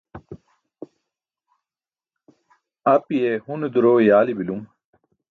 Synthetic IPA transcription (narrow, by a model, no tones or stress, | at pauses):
ɐpijehund̪uɾoːjaːlibilum